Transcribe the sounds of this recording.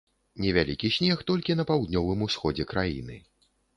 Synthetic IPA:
nʲɛvʲalʲikʲiɕʲnʲɛxt̪ɔlʲkʲinɐpawd̪nʲɔvɨmusxɔd͡zʲɛkɾajḭnɨ̰

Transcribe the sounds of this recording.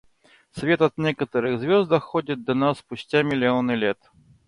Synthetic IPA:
sʲvʲɛt̪ɐt̪nʲɛkɐt̪əɾɨɣzvʲɔzd̪ɐxɔd͡zʲit̪̚d̪ɐnasːpʊsʲt͡sʲamʲɪlʲiɔnɨlʲɛt̪

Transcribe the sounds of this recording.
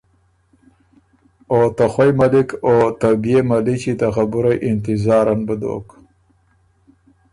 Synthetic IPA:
ot̪axwajmalɪkoːt̪abijemalit͡ʃit̪axabuɾajʔɪnt̪ɪzɑːɾanbəd̪o̰ːk

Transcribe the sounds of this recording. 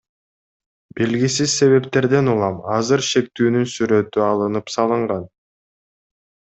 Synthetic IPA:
belɡisizse̞βe̞pt̪e̞ɾd̪e̞nulˠɑmɑzɯɾʃe̞k̚t̪yːnynsyɾø̞t̪yɑlˠɯnɯpsɑlˠɯɴʁɑn

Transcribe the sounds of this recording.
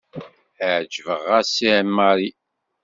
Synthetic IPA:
əʕd͡ʒvəʁæsiʕmːaɾi

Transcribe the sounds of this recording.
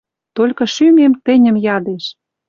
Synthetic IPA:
t̪olʲkɤ̆ʃymʲemt̪ɘ̆nʲə̆mjɑd̪eʃ

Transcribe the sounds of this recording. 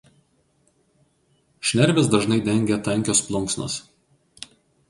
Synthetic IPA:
ʃʲnʲɛɾʲʋʲɪs̬d̪ɐʒnɐɪd̪ʲɛŋʲɡʲɛt̪ɐŋʲkʲoːsplˠʊŋˑksno̰s

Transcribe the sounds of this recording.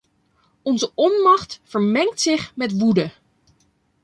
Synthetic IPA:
ɔnzəɔnmɑχtfəɹmɛŋk̚tsɪχmɛtʋudə

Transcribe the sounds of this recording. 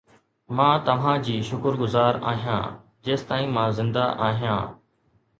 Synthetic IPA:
mãːt̪ɐʋ̤ãːd͡ʑiːʃʊkəɾɡʊzaːɾa̰ːɦijã̰ː | d͡ʑeːst̪aːĩːmãːzɪ̃nd̪a̰ʔaːɦijã̰ː

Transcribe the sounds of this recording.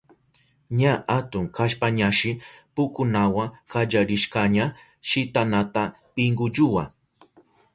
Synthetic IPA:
ɲaʔat̪ʊŋkʰaʃpaɲaʃɪpʊkʊnawaŋkad͡ʒaɾɪʃkaɲa | ʃɪt̪anat̪a | pɪŋɡʊd͡ʒʊwa

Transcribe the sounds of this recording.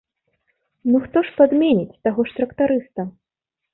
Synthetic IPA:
nuxt̪ɔʂpad̪mʲenʲit͡sʲt̪aɣɔʂt̪ɾɐkt̪aɾɨst̪ɐ

